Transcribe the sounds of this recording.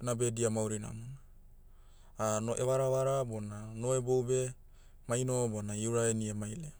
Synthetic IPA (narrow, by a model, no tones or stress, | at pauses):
nabe̞diamawɾina̰muna | anoʔewaɾawaɾabonanoebowbe | majnobonaiuɾaeniemajle